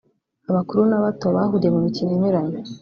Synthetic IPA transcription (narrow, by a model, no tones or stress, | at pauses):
aβakuɾunaβato̞βahuɾjemumiciniɲuɾaɲo